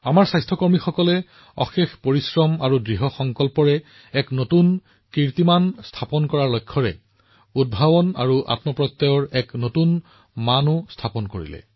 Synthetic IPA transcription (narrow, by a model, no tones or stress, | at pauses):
amaɹsajstʰɔkɔɹmixɔkɔlɛ | ɔ̰xexpoɹisɹɔmaɹudɹiɦɔxɔŋkɔlpɔɹɛ | ɛknotun | kiɹt̪imanstʰapɔnkɔɹaɹlojkʰːɔɹɛ̰ | ud̚bʱabɔna̰ɹuʔa̰tmɔpɹɔjt̪ːɔjɔɹɛknotun | manʊstʰapɔnkoɹḭlɛ̰